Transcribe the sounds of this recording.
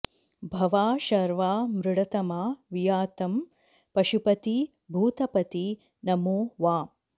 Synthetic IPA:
bʱɐʋaːʃɐɾʋaːmɾɪɽɐt̪ɐmaːʋijaːt̪ɐm | pɐʃupɐt̪i | bʱuːt̪ɐpɐt̪i | nɐmoːʋaː

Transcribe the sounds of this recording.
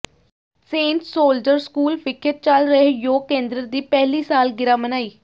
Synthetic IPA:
sẽːɳʈsoːld͡ʒəɾskuːlfɪkʰːət̪̚t͡ʃəlɾəejoːkẽːnd̪ɾəd̪iːpɛɦliːsaːlɡɪɾaːmənaːiː

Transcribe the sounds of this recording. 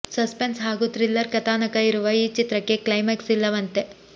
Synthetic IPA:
sɐspensɦaːɡut̪ɾilːɐɾkɐt̪aːnɐkɐiɾuʋɐiːt͡ʃit̪ɾɐkːe̞klɐjmeksilːɐʋɐnt̪e̞

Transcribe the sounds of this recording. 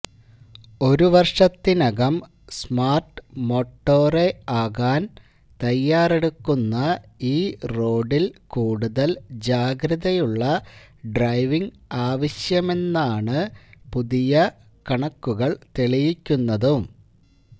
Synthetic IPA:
o̞ɾuʋɐrʂɐt̪ːinɐɣɐm | smaːrʈɨmo̞ːʈːo̞ːre̞aːɣaːn | t̪ɐjːaːre̞ɽukːunːɐiːro̞ːɖilkuːɽuðɐld͡ʑaːɡɾɐðɐjuɭːɐ | ɖrɐjʋiŋɡ | aːʋɐɕjɐme̞nːaːɳɨpuðijɐ | kɐɳɐkːuɣɐɭt̪eɭijikʲːunːɐðum

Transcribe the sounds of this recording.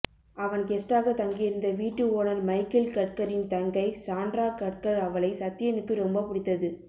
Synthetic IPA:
ɐʋɐnkɛsʈaːɣɐt̪ɐŋɡɪjɪɾɯnd̪ɐʋiːʈːɯoːnɐɾmɐɪkɪlkɐʈ̚kɐɾɪnt̪ɐŋɡɐɪsaːnɖɾaːkɐʈ̚kɐɾɐʋɐɭɐɪsɐt̪ːɪjɐnɯkːɯɾɔmbɐpʊɽɪt̪ːɐðɯ

